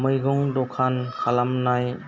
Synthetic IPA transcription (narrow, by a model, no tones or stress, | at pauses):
mɯjɡɔŋdɔkʰankʰalamnaj